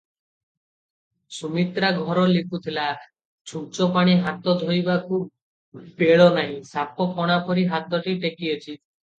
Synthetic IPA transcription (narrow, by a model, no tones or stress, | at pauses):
sumit̪ɾaɡʱɔɾɔlikut̪ʰila | t͡ʃʰut͡ʃɔpaɽ̃iɦat̪ɔd̪ʱojbakʰub̚ | peɭɔnaɦĩsapɔkʰɔɽ̃apɔɾiɦat̪ɔʈiʈekiot͡ʃʰi